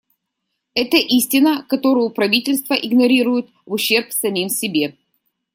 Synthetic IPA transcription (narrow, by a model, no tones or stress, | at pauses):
ɛt̪əʔisʲtʲɪnəkɐt̪o̞ɾʊjʊpɾɐvʲitʲɪlʲst̪vəʔɪɡnɐɾʲiɾʊjɪt̪vʊɕːe̞rpsɐmʲimsʲɪbʲe̞